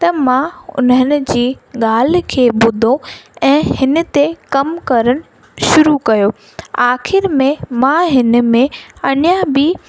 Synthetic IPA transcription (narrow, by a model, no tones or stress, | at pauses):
t̪ɐmãʊ̰nɦənɪ̆d͡ʑiːɠaːl̤̆kʰeːbʊd̪ʱõɛ̃ːhɪnə̆t̪ekɐmkɐɾəɽ̃ɪ̆ | ʃʊɾukɐjoː | aːxɪɾmẽmãɦɪn̆mẽɐɽjabi